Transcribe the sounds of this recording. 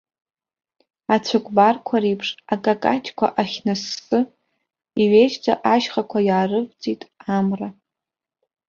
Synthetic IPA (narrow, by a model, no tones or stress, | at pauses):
at͡ɕʷʰakʷʼbarkʷʰaɾejpʰʂakʼakʼat͡ʃʰʼkʷʰa̰ʔaχʲnɨsːɨ | iɥejt͡ʃʼd͡zʼa̰ʔaʒχakʷʰajaːrɨk̚ʷʼd͡zʼitʼamra